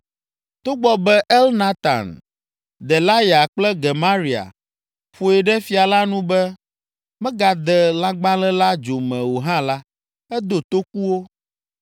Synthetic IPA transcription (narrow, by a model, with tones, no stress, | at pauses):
t̪o˦ɡ͡bɔ˦bɛ˦ʔɛ˦lnã˦t̪ã̰˨n | d̪ɛ˨la˦ja˨k͡plɛ˦ɡɛ˨mã˦ɾi˨a̰˨ | ɸo˨ɛ˨ɖɛ˦fi˦a˨la˦nũ˦bɛ˦ | mɛ̃˦ɡa˨d̪ɛ˨la˦ɡ͡bã˦lɛ˦la˦d͡ʒo˨mɛ̃˨wo˨ɦã˦la˦ | ɛ˦d̪o˨t̪o˦ku˦wo˦